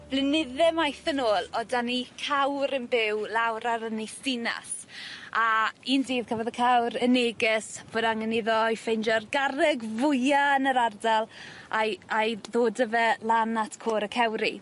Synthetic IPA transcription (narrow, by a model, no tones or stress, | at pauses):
b̥lɪnɪðɛmajθənoːlˠɔdanikʰawɾənbɪwlawɾaɾənesdɪna̰s | aiːndiːv̥kʰəvɔðəkʰawɾəneːɡɪsv̥oːdaŋənɪðɔjfend͡ʒɔrɡaɾɪɡvʊjanəɾardalˠʔajʔajðoːdəvɛlˠanatʰkʰoːɾəkʰɛwɾi